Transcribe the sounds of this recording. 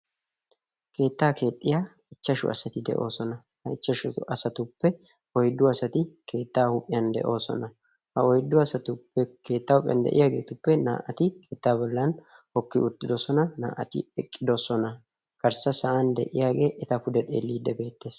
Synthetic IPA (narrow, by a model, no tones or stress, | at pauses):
kʰe̞ːt̪ːaːkʰe̞ːt̪ʼːɪjaː | ɪt͡ʃːɐʃʊ̰ʔɐ̰sɐt̪ɪd̪ɛ̰ʔo̞̰ːsɔnɐ | hɐɪt͡ʃːɐʃʊʔɐsɐt̪ʊpːɛ | ɔjd̪ːʊɐsɐt̪ɪkʰe̞ːt̪ːaːhʊpʼːɪjɐnd̪ɛ̰ʔo̞ːsɔ̰nɐ | hɐɔjd̪ːʊɐsɐt̪ʊpːɛke̞ːt̪ːaːʊpʼɪjɐ̰nd̪ɛ̰ʔɪjaːɡe̞ːt̪ʊpːɛna̰ːʔɐt̪ɪkʰeːt̪ːaːbɔlːɐn | hɔkːɪʔʊt̪ːɪd̪osɔnɐna̰ːʔɐ̰t̪ɪ̰ɛkʼːɪd̪osɔnɐ | kɐɾsɐsɐʔand̪ɛ̰ʔɪ̰jaːɡe̞ːʔɛt̪ɐpʊd̪ɛt̪ʼḛːlːiːd̪ːɛbe̞ːt̪ːe̞ːs